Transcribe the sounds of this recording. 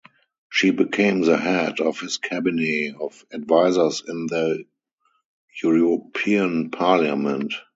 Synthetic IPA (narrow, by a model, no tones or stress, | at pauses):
ʃiːbikʰẽɪ̃mðəhædɔfhɪskʰæbɪniɔfadvaɪzə˞sɪ̃nðə | juɹɔpʰiə̃npʰaljamɛ̃nt